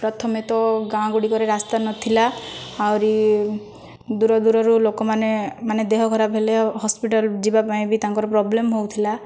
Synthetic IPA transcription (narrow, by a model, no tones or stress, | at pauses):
pɾɔt̪ʰɔmet̪ɔɡãɡuɽikɔɾeɾast̪anɔt̪ʰilaːwɾi | d̪uɾɔd̪uɾɔɾulokɔmanemaned̪eɦɔɡʱɔɾabʱeleɦɔspiʈɔld͡ʒibapaĩbʱit̪aŋkɔɾɔpɾɔblemɦowt̪ʰila